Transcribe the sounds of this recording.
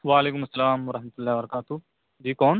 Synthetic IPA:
ʋaːleːkʊmɐsːɐlaːmʋɐɾɐhmɐt̪ulːaːʋɐɾɐkaːt̪u | d͡ʒiːkɔːn

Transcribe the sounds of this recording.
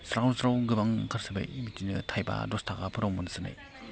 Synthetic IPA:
sɾasɾawɡɯbaŋkʰaɾsɯba̰jmitinɯtʰajba̰dɔstʰaɡapʰɯɾomɯnɯsɯna̰j

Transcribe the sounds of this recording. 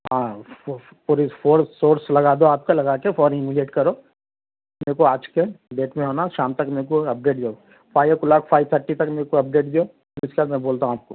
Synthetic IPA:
ɦãː | puɾifoːɾsoːɾslɐɡaːd̪oaːp̚kalɐɡaːkefʰɔːɾɪmileːʈkɐɾoː | meːkoaːd͡ʒkeɖeːʈmẽɦoːnaʃaːmt̪ɐkmeːkoɐp̚ɖeːʈd̪ijo | pʰaːɪʋkulaːkʰpʰaːɪt̪ʰəɾʈit̪ɐkmeːkoɐp̚ɖeːʈd̪ijoː | ɪskeaːt̪mɛ̃boːlt̪aɦaːp̚koː

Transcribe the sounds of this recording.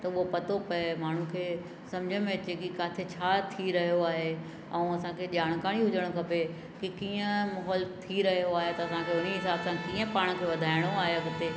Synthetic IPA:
t̪ɐʊɦopɐt̪opɐemaːɳ̤ũkʰeː | sɐ̃md͡ʑʱəmẽɐt͡ɕekikaːt̪ʰet͡ɕʰaːt̪ʰiɾɐɦijoaːɦe | ɛ̃ːɐsãkʰeːʄaːɽ̃kaːɽ̃iɦʊd͡ʑəɽ̃kʰɐpe | kikiːə̃mɐɦɔːlt̪ʰiɾɐɦijoaːɦet̪ɐɐsãkʰeʊn̤iɦɪsaːbsãkiːə̃paːɽ̃kʰeːʋɐd̪ʱaːɪɽ̃oaːɦeɐɡɪt̪eː

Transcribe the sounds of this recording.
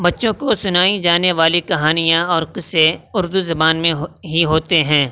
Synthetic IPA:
bɐtːʃõkosʊnaːid͡ʒaːneʋaːlikɐɦaːnijãɔːɾqɪseʊɾd̪uzɐbaːnmẽɦɦiɦoːt̪eɦɛ̃ː

